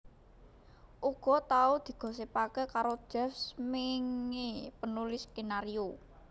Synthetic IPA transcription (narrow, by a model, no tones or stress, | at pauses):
ʔuɡ̥ɔ̤t̪aud̪̥i̤ɡ̥ɔ̤s̬epakəkaɾo̥ʒ̥ɛfsmɪŋepənulɪsɡ̥enaɾio